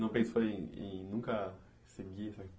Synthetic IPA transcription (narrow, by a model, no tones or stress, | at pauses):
nɐ̃w̃pẽsoẽḛ̃nũŋkɐ | seɡiɛsɐ